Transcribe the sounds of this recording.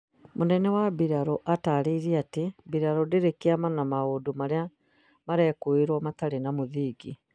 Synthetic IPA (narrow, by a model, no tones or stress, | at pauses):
monɛnɛwabiɾaɾoʔataɾiɾiatebiɾaɾodeɾekiamanamaoːdomaɾea | maɾɛkoeɾwɔmataɾenamoðiːɡi